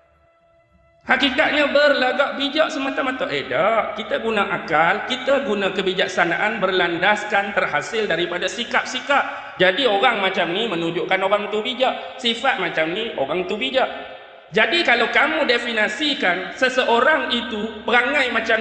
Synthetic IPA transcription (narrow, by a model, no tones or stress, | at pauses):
hakikat̪̚ɲãbərlaɡaʔ̚bid͡ʒaʔsəmãt̪amãt̪aʔedaʔkit̪aɡunãʔakalkit̪aɡunãkəbid͡ʒak̚sanãʔanbərlandaskant̪ərhasɪldaɾipadasikap̚sikap̚ | d͡ʒadioɣaŋmãt͡ʃamnimə̃nũɲd͡ʒoʔkanoɾaŋt̪ubid͡ʒaʔ | sifat̪̚mãt͡ʃamnio̰ɣaŋt̪ubid͡ʒaʔ | d͡ʒadikalawkamũdefinãsikansəsəʔoɾaŋit̪upəɾaŋãjmãt͡ʃa